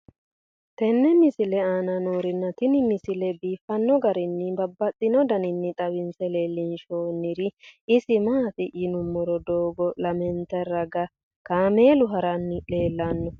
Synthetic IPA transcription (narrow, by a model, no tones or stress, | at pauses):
t̪ɛnːɛmɪsɪlɛaːnɐnoːɾɪnːɐt̪ɪnɪnɪsɪlɛbiːfːɐnːɔɡɐɾɪnːɪbɐbːɐt̪ʼːɪnɔd̪ɐnɪnːɪt̪ʼɐwɪnsɛle̞ːlːɪnʃoːnːɪɾɪɪsɪmaːt̪ɪʔɪnʊmːɔɾɔd̪oːɡɔlɐmɛnt̪ɛrɐɡɐ | kaːmeːlʊɦɐɾɐnːɪᶑe̞ːlːanːɔ